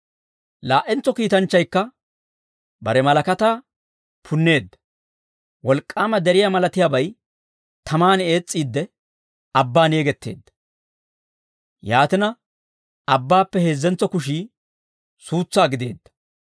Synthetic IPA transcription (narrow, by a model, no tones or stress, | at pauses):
laːʔɛnt͡sːɔkiːt̪ɐnt͡ʃːɐjkːɐ | bɐ̰ɾɛmɐlɐkɐt̪aː | pʰʊnːe̞ːd̪ːɐ̥ | wɔlkʼːaːmɐd̪ɛɾɪjamɐlɐt̪ɪjaːbɐj | t̪ʰɐmaːne̞ːt͡sʼːiːd̪ːɛ | ɐbːaːne̞ːɡɛt̪ːe̞̰ːd̪ːɐ̥ | jaːt̪ɪnɐ | ɐbːaːpːɛheːzːɛnt͡sɔkʊʃiː | suːt͡sːaːɡɪd̪e̞̰ːd̪ːɐ̥